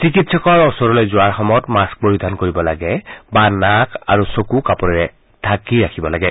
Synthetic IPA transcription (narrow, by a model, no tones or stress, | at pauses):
sikitsɔkɔɹɔsɔɹɔlozʊaɹxɔmɔtmask̚boɹidʱankoɹibɔlaɡɛbanaka̰ɹusokukapɔɹɛɹɛ | tʰakiɹakʰibɔlaɡɛ